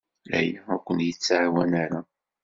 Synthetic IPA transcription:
læ̰jækʷənjət͡sːaʕwænaɾa

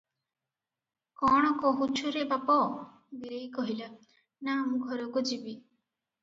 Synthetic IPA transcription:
kɔɽ̃ɔkɔɦut͡ʃʰuɾebapɔ | biɾejkɔɦila | namũɡʱɔɾɔkud͡ʒibi

